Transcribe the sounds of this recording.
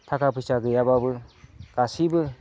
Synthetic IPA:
t̪ʰakapʰɯsaɡɯjababɯkasibə

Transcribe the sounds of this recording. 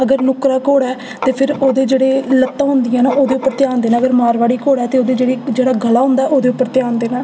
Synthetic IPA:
əɡəɾnʊkɾaːkoːɽɛː | t̪eːpʰɪɾoːd̪eːd͡ʒeːɽeːlət̪ːãːɦʊ̃nd̪ɪjãːnãːʔoːd̪eːʊpːəɾt̪ɪjaːnd̪eːnãːəɡəɾmaːɾʋaːɽiːkoːɽɛːt̪eːoːd̪eːd͡ʒeːɽiːd͡ʒeːɽaːɡəlaːɦʊ̃nd̪aɛːʔoːd̪eːʊpːəɾt̪ɪjaːnd̪eːnãː

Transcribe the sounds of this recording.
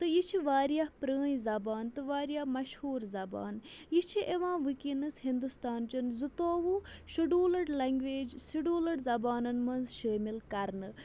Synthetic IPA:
t̪ɨjit͡ʃʰiʋaːɾijaːpɾəːĩzɐbaːnt̪ɨʋaːɾijaːmɐʃhuːɾzɐba̰ːnjit͡ʃʰiʔeʋãːʋɨkinɨsɦind̪ust̪aːnt͡ʃɐnzɨt̪oːʋuʃuɖuːlɐɽlɐŋɡʋeːd͡ʒsiɖuːlɐɽzɐbaːnɐnmɐnzʃəːmilkɐɾnɨ

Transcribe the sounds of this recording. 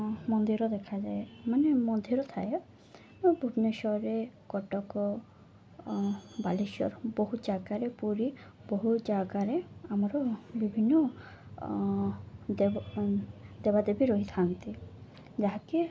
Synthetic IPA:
mɔnd̪iɾɔd̪ekʰad͡ʒaemanemɔnd̪ʱiɾɔt̪ʰa̰je | bʱubneʃɔɾekɔʈɔkɔ | baliʃɔ̰ɾbɔɦutd͡ʒaɡaɾepuɾibɔɦud͡ʒaɡaɾeamaɾɔbibʱinːɔ | d̪ | d̪ebad̪ebiɾɔɦit̪ʰant̪i | d͡ʒaɦaki

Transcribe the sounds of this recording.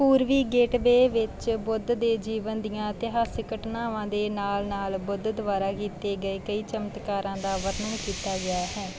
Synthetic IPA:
puːɾʋiːɡeːʈbeːʋɪt͡ʃbʊd̪d̪eːd͡ʒiːʋənd̪ɪjãːt̪ɪɦaːsɪkəʈnaːʋãːd̪eːnaːlnaːlbʊd̪d̪ʊʋaːɾaːkiːt̪eːɡəeːkəiːt͡ʃəmət̪kaːɾãːd̪aːʋəɾnəŋkiːt̪aːɡɪaːɦɛː

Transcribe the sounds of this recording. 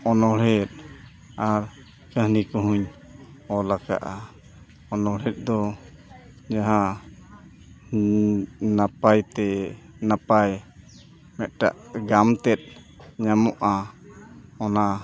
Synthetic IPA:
ɔnɔɽɛt̪̚ | aɾ | kəɦnikɔɦuɲ | ɔlaka̰ʔa | ɔnɔɽɛt̪̚ˀd̪ɔ | d͡ʒaɦã | napajt̪ɛ | napaj | mɛt̪̚ʈa̰ʔɡamt̪ɛt̪̚ | ɲamɔʔa | ɔna

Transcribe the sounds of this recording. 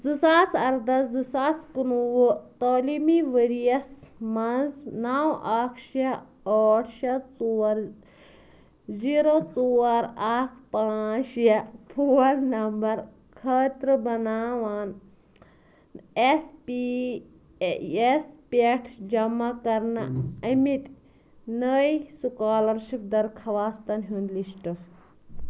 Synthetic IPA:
zɨsaːsɐɾd̪ɐzɨsaːskunuwut̪oːlimiʋəɾijɐsmɐnznaːwaːkʃa | oːʈʰʃɐt͡suːɐɾ | ziːɾot͡suːɐɾaːkʰpãːt͡ʃjɐpʰuːɐɾnɐmbɐɾ | kʰɐt̪ɾɨbɐnaːʋaːn | espi | espeʈʰd͡ʒɐmakɐɾna̰ɐmit̪ | nəisukaːlɐɾʃip̚d̪ɐɾkʰɐʋaːst̪ɐnɦund̪liʃʈɐ

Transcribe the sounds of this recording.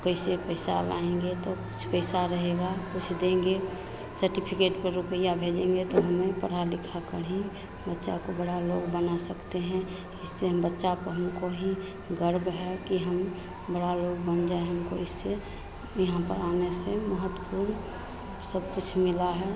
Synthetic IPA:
kəɪsepəɪsa̰la̰ẽŋɡet̪okʊ̥t͡ʃʰpəɪsaɾəɦeɡakʊt͡ʃʰd̪ẽŋɡe | səɾʈipʰikeːʈpəɾɾʊpəijabʱed͡ʒẽŋɡet̪oɦəmepəɽ̤alɪkʰakəɽ̤ɦẽ | bətːʃakobəɽaloɡbənasəkt̪eɦɛ̃ | ɪsːeɦəmbətːʃapəɾɦəmkoɦi | ɡəɾbɦɛkiɦəm | bəɽaloɡbənd͡ʒaeɦəmkoɪsːe | jəɦãpə̰ɾaːneseməɦət̪wəpuːɾn | səb̚kʊt͡ʃʰmɪlaɦɛ

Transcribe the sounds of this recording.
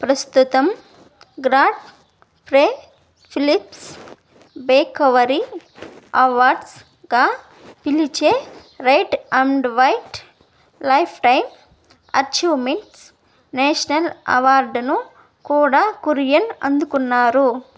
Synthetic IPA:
pɾɐst̪ut̪ɐm | ɡɾaːʈ | pɾeː | pʰilips | beːkɐʋɐɾi | ɐʋaːɾɖs | ɡaː | pilit͡ʃeː | ɾɐjʈɐɳɖʋɐjʈ | lɐjpʰʈɐjm | ɐ̰ɾt͡ʃuːmeɳʈs | neːʂɐnɐlɐ̰ʋaːɾɖnu | kuːɽaːkuɾijɐnɐ̰nd̪ukunːaːɾu

